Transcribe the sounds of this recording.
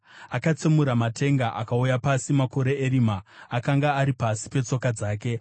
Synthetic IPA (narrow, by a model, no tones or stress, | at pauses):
akat͡semuɾamatʰe̞ŋɡaʔakaujapasimako̞ɾe̞eɾimaːkaŋɡaːɾipasi̥pe̞t͡so̞kad͡zaːke̞